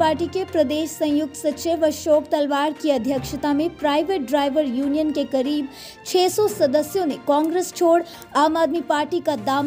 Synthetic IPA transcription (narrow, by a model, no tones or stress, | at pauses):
aːɾʈikepɾɐd̪eːʃsɐ̃jʊk̚t̪sɐtːt͡ʃeʋɐʃɔːkt̪ɐlʋaːɾkiɐd̪ʱjəkʃət̪amẽpɾaːɪʋeʈ̚ɖɾaːɪʋəɾjuːnijənkekɐɾiːb | t͡ʃʰɛːsɔsɐd̪əsjõnekãːŋɡɾest͡ʃʰoːɽ | aːmaːd̪mipaːɾʈikad̪aːm